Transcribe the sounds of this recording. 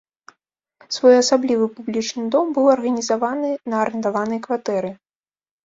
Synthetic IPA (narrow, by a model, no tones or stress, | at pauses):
svɔjɐsablʲivɨpublʲit͡ʂnɨd̪ɔmbɨwɐrɣɐnʲizavanɨnɐːɾɨnt̪avanɐjkvat̪ɛɾɨ